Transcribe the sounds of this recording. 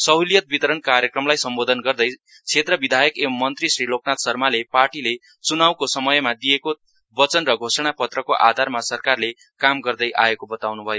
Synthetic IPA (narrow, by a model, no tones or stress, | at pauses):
sʌɦuljʌt̪̚bit̪ʌɾʌnkaɾjekrʌmlajsʌmbod̪ʱʌnɡʌrd̪ʌj | t͡sʰet̪rʌbid̪ʱajʌkemːʌnt̪risrilok̚nat̪sʌrmaleparʈile | t͡sunawkosʌmʌjmad̪ijeko | bʌt͡sʌnrʌɡʱosʌɽ̃apʌt̪rʌkoʔa̰d̪ʱarmasʌrkarle | kamɡʌrd̪ʌjʔa̰ekobʌt̪awnubʱʌjo